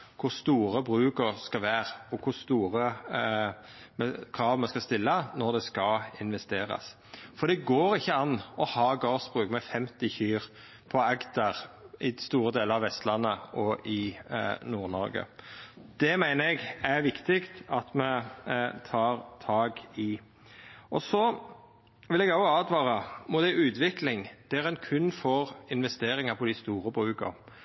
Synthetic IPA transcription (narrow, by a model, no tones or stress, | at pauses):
kʰʊɾst̪uːɾəbɾʉːkəʁskɑʋæːɾɔkʰʊst̪uːɾə | mɛkʰɾɑːʋmɛskɑst̪ɪlːənɔʁd̪ɛskɑɪnʋɛst̪eːɾɑ̰s | fɔd̪ɛɡoːɾɪçːəɑnːɔhɑːɡɑːʁsb̥ʁʉːkmɛfɛmt̪ɪçyːʁ | pʰɔækt̪ɑʁʔɪst̪uːɾəd̪eːləɾɑʋɛst̪lɑnːəɔʔɪnuːʁnɔ̰ɾɡə̰d̪̥ɛmæɪnəɛɡæʋɪkt̪ɪkt̪ɑt̪mɛt̪ʰɑːɾt̪ʰɑːɡɪ | ʔɔsɔ | ʋɪlɛɡɑʊɑːd̪ʋɑːʁɑmɔd̪æɪʉːt̪ʋɪklɪŋd̪̥ɛɾɛnkʰʉnːfɔʁɪnʋɛst̪eːɾɪŋɑpʰɔd̪ɪst̪uːɾəbʁʉːkɑ̰